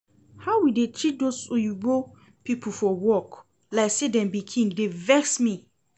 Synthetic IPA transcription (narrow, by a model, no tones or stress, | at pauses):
haʊwidetɹit̚dosujubo | pipʰufɔwɔk | laɪksedɛ̃mbikʰĩŋɡdevɛksmi